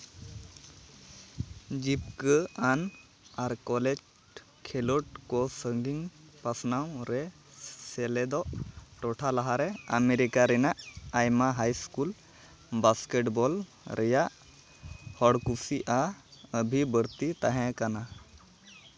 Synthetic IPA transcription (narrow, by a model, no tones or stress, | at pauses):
d͡ʒipkəan | aɾkɔlɛd͡ʒ | kʰɛloʈkɔsəŋɡiŋ | pasnawɾɛ | sɛlɛd̪ɔʔʈɔʈʰalaɦaɾɛəmeɾikaɾɛnaʔajmaɦajskul | baskeʈbɔl | ɾʔɛjaʔ | hɔɽkusiʔaəbʱibəɾt̪it̪aɦɛ̃kana